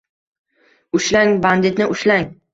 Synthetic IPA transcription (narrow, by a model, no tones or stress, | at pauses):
ʊʃlaŋband̪ɪt̪nɪʔʊʃlaŋ